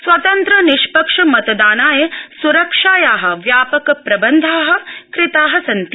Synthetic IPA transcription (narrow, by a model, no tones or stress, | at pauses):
sʋɐt̪ɐnt̪ɾɐniʃpɐkʂɐmɐt̪ɐd̪aːnaːjɐsuɾɐkʂaːjaːɦɐ̆ʋjaːpɐkɐpɾɐbɐnd̪ʱaːɦɐ̆kɾɪt̪aːɦɐsɐnt̪i